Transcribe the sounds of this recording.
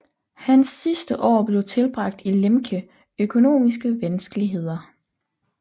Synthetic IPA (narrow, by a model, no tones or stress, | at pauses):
hænsːisd̥əʔɒ̰ːb̥le̝ʊt͡sʰe̝lb̥ʁɑ̈ɡ̥̚d̥ilemkʰə | økʰo̝no̝̰ːmis̬ɡ̥əʋænsɡ̥əliɦe̝ð̞̰ˠɐ